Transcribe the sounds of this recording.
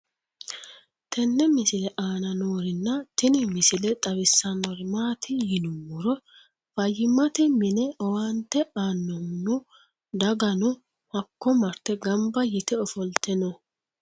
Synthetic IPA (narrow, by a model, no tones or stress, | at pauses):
t̪ʰɛnːɛmɪsɪlɛʔaːnɐnoːɾɪnːɐt̪ɪnɪmɪsɪlɛt̪ʼɐβɪsːɐmɔɾmaːt̪ʰɪjɪnʊmːʊɾɔ | fɐjɪmɐt̪ɛmɪnɛɔwant̪ːɛaːnːɔmnʊ | d̪ɐɡɐnʊ | hɐkːɔmɐɾt̪ːɛɡɐmbɐjɪt̪ɛɔfɔlt̪ɛnɔ